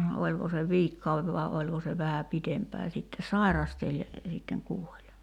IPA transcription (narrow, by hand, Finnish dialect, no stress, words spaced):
olʲko se ʋiːkːɑueʋ ʋɑi̞ olʲko se ʋæhæ pitempæː sitːe sɑirɑstelʲ jɑ sitːeŋ kuolʲ